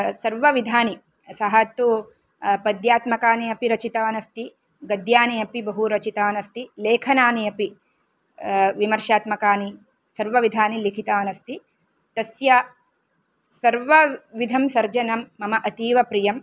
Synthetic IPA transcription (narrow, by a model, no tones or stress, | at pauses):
sɐɾʋɐʋid̪ʱaːni | sɐɦɐt̪u | pɐd̪jaːt̪mɐkaːniɐpiɾɐt͡ʃit̪ɐːɐnɐst̪i | ɡɐd̪jaːnijɐpibɐɦuɾɐt͡ʃit̪aːɐnɐst̪ileːkʰɐnaːniɐpi | ʋimɐɾʃaːt̪mɐkaːni | sɐɾʋɐʋid̪ʱaːnilikʰit̪aːɐnɐst̪i | t̪ɐsjɐ | sɐɾʋɐʋid̪ʱɐmsɐɾd͡ʒɐnɐmːɐmɐʔɐt̪iːʋɐpɾijɐm